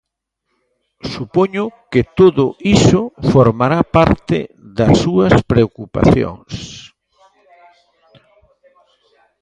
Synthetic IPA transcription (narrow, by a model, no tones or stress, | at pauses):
supoɲʊkɪt̪oðʊʔisʊfoɾmaɾapaɾt̪ɪ̰ | ðɐsːuɐspɾeokupa̰θjo̰ŋs